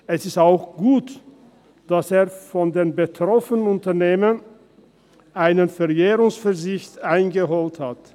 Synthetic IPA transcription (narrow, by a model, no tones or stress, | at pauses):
ʔɛsɪstaʊxɡ̥uːt | d̥aseːɐfɔndeːnbətʁ̥ɔfənənʊntɐneːmən | ʔaɪnənfɛɐeːʁʊŋsfɛɐzɪçtʔaɪnɡəɦoːlthat